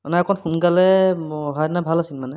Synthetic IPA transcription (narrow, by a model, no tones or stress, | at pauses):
manɛakʰɔnpʰunɡalɛɦɔjnabʱalasinmanɛ